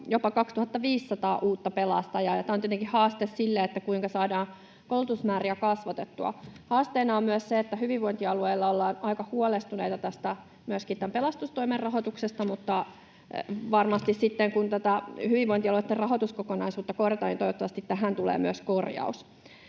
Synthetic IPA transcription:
jopɑkɑkst̪uhɑt̪ːɑʋiːsːɑt̪ɑːʔuːt̪ːɑpelɑ̰st̪ɑjɑːjɑt̪æːont̪et̪eŋkihɑːst̪essilːeet̪ːækuiŋkɑsɑːdɑːn | kolːut̪usmæːriækɑsʋɑt̪et̪ːuɑ̰hɑːst̪einɑommyøsseet̪ːæhyʋiʋʋoint̪iɑlueilːɑolːɑːnɑikɑhuolest̪uneit̪ɑt̪æst̪æ | myøskit̪t̪æmpelɑst̪ust̪oimerrɑɦot̪uksest̪ɑmut̪ːɑ | ʋɑrmɑst̪issit̪ːeŋkunt̪æt̪æhyʋiʋʋoint̪iɑluet̪ːerɑɦot̪uskokonɑisuːt̪ːɑkorjɑt̪ɑːnint̪oiʋot̪ːɑʋɑst̪it̪tæɦænt̪ulḛːmyøskorjɑ̰us

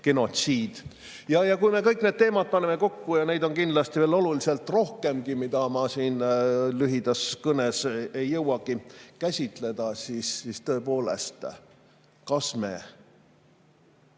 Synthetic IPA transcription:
ke̞no̞t̪siːd̪̥ | jɑjɑkujme̞kɤjkne̞ːd̪̚t̪e̞ːmɑd̪̥̚pɑnemeko̞kːujɑne̞jd̪o̞nkind̪lɑst̪iveːlo̞luliselt̪ˑro̞hke̞mɡimid̪ɑmɑsiːnlyɦid̪ɑskɤnesejːɤwɑɡ̥ikæsʲit̪ˑle̞d̪̥ɑsisist̪ɤ̞epo̞ːlḛst̪ | kɑsmḛ

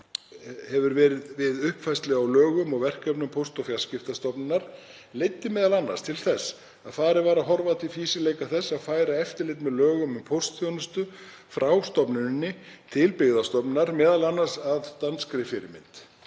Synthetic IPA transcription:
hɛvʏɾvɛːɾɪðvɪðʏhpfajst̪lɛɣawlœːɣʏmɔɣvɛr̥kɛpnʏmpʰowst̪ɔfjal̥scɪft̪ast̪ɔpnɪnaɾ̥ | lejt̪ːɪmɛːðalanːa̰ɾ̥st̪ʰɪlθɛs | aðθaɾɪvaːɾaɦɔɾvat̪ɪfiːsɪleːjkaθɛsːaðfaːjɾaɛft̪ɪɾlɪjt̪mɛðlœːɣʏmʏmpʰowst̪θjɔwnʏst̪ʏ | fɾawst̪ɔpnʏnnːɪt̪ʰɪlpɪɣðast̪ɔpnɪnaɾmɛːðalanːaɾ̥saðt̪anskɾɪfɪɾɪmɪ̰nt̪

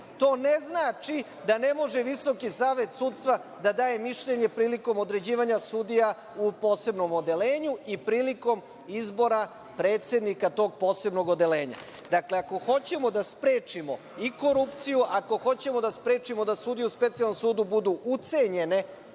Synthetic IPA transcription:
t̪o̞ːne̞znaːt͡ʃi | d̪ane̞mo̞ʒe̞ʋiso̞kisaːʋe̞t̪suːt̪st̪ʋad̪ad̪aːje̞miʃʎe̞ɲe̞pɾiːliko̞mo̞d̪ɾe̞d͡ʑiːʋaɲasuːd̪ija | upo̞ːse̞bno̞mod̪e̞leːɲuipɾiːliko̞m | izbo̞ɾa | pɾe̞ːt̪sʲe̞d̪nikat̪o̞ːɡ̚po̞ːse̞bno̞ɡo̞d̪e̞le̞ːɲa̰ | d̪akleako̞xo̞t͡ɕe̞mo̞d̪aspɾe̞ːt͡ʂimo̞ | iko̞ɾupt̪sijuʔako̞xo̞t͡ɕe̞mo̞d̪aspɾe̞ːt͡ʃimo̞d̪asuːd̪ijuspe̞t̪sijalnomsuːd̪ubud̪uʔut̪se̞ɲe̞ne

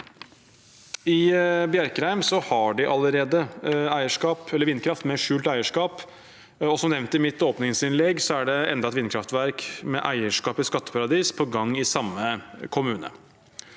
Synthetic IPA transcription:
ɪbjæɾkɾæɪmsɔhɑɖɪʔɑləɾeːd̪əæɪəʂkɑːpɛlːəɾʋɪnːkʰɾɑft̪mɛʂʉːlt̪æɪəʂkɑːp | ɔsɔmnɛʋnt̪ɪmɪt̪oːpnɪŋsɪnlɛɡːsɔæɖɛɛnd̪ɑɛt̪ʋɪnkʰɾɑft̪ʋæɾkmɛ̰ʔæ̰ɪəʂkɑːpɪskɑt̪ːə̥pʰɑɾɑd̪iːspʰɔɡɑŋːɪsɑmːəkʰʊmʉːnə̰

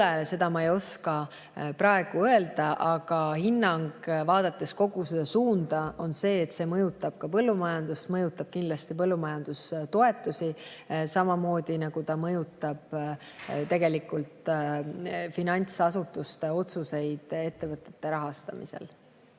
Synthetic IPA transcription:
ese̞d̪̥ɑmɑejo̞skɑ | pɾɑe̞ɡ̥uø̞e̞ld̪̥ɑʔɑɡ̥ɑhinːɑŋɡvɑːd̪̥ɑt̪ːˑe̞sko̞ɡ̥use̞d̪̥ɑsuːnd̪̥ɑo̞nse̞ːet̪se̞mɤjut̪ːˑɑb̥kɑpɤlːumɑjɑnd̪ust̪mɤjut̪ːˑɑb̥̚kind̪lɑst̪ip̬ɤlːumɑjɑnd̪̥ust̪o̞e̞t̪ːˑusisɑmɑmo̞ːd̪̥inɑɡ̥ut̪ɑmɤjut̪ːˑɑb̥ | t̪e̞ɡe̞likːˑult̪ | finɑnʲt̪sɑsut̪ːˑust̪e̞o̞t̪suse̞jd̪̥e̞t̪ːe̞vɤt̪ˑːe̞̥t̪ːe̞ɾɑɦɑst̪ɑ̰mḭse̞̰l

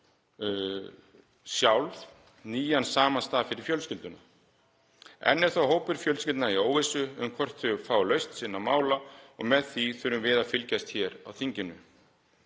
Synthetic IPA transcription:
sjawlθ | niːjansaːmanst̪aːðfɪɾɪɾ̥fjœlscɪlt̪ʏna̰ | ɛ̰nːɛɾ̥θawɦoːwpɪɾfjœlcɪlt̪naioːwvɪsʏʏmkʰvɔr̥t̪θʏʏfaːwlœɥst̪sɪnːamaːwlaɔ̰ɣmɛðθiθʏɾʏmvɪːðafɪlcajst̪çɛɾa̰wθiɲcɪnːʏ

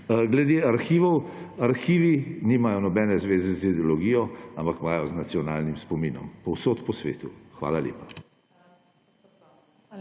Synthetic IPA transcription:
ɡlɛd̪eːaɾxiːʋɔwaɾxiːʋiniːmajɔnɔbɛːnɛzʋeːzɛzid̪ɛɔlɔɡiːjɔampakmaːjɔznat̪siɔna̰ːlnimspɔmiːnɔ̰mpɔwsoːt̪pɔsʋḛːt̪ṵxʋa̰ːlaljḛːpa

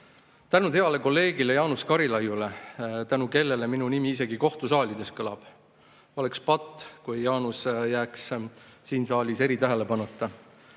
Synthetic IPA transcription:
t̪ænud̪he̞ɑle̞ko̞lːe̞ːɡ̥ile̞jɑːnuskɑɾilɑjːule̞t̪ænuke̞lːe̞le̞minunimiise̞ɡ̥iko̞ht̪usɑːlʲid̪e̞st̪kɤlɑ̰b̥ | o̞le̞kspɑt̪ːˑkujejɑːnusjæːkssiːnsɑːlʲise̞ɾit̪æɦe̞le̞pɑnut̪ːˑɑ

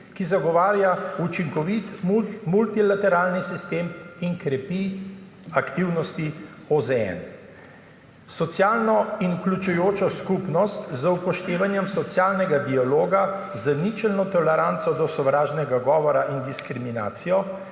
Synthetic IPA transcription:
kizaɡɔʋaːɾjaut͡ʃiŋkɔʋit̪umult̪ilat̪ɛɾaːlnisist̪eːmiŋkɾɛpi | akt̪iwnɔst̪i | ozɛɛ̰n | sɔt̪sjaːlnɔinuklʲut͡ʃujoːt͡ʃɔskupnɔst̪zəupɔʃt̪eːʋanjɛmsɔt̪sjaːlnɛɡad̪ialoːɡa | zənit͡ʃɛlnɔt̪ɔlɛɾant̪sɔd̪ɔsɔʋɾaːʒnɛɡaɡɔːʋɔɾaʔind̪iskɾimina̰ːt̪sijɔ

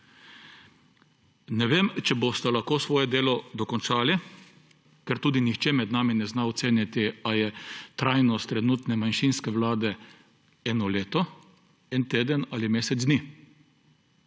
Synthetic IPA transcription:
nɛʋeːmt͡ʃɛbost̪alaxkoːsʋɔːjɛd̪eːlɔd̪ɔkɔnt͡ʃaːli | kɛɾt̪uːd̪inixt͡ʃɛmɛd̪naːminɛznaɔt̪seːnjat̪iajɛt̪ɾajnɔst̪ːɾɛnuːt̪nɛmanʃinskɛʋlaːd̪ɛ | ɛːnɔleːt̪ɔ | ɛnt̪eːd̪ənaːlimeːsɛt̪z̬ni

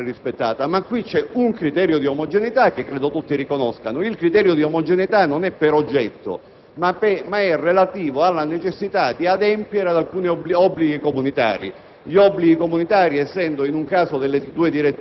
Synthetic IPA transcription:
rispet̪ːaːt̪amakːwit͡ʃːɛuŋkɾit̪ɛːɾjod̪iomɔd͡ʒenit̪ak̟ːekːɾeːd̪ot̪ut̪ːirikonɔskanoilkɾit̪ɛːɾjod̪iomod͡ʒenit̪anːonɛpːeɾod͡ʒːɛt̪ːo̰ | mapɛmaɛrelat̪iːvoalːanet͡ʃesːit̪ad̪iad̪ɛmpjeɾead̪alkuːnibliɔbːliɡikomunit̪a̰ːɾḭ | ʎiɔbːliɡikomunit̪aːɾiɛsːɛnd̪oinuŋkaːsod̪elːed̪uːed̪iɾet̪ː

